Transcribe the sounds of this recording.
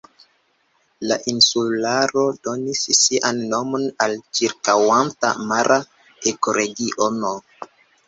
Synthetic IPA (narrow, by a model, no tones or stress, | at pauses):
laʔinsulaɾo̞do̞nissiʔanːo̞mo̞nalt͡ʃiɾkawanta̰maɾʔa | ekoɾeɡiʔono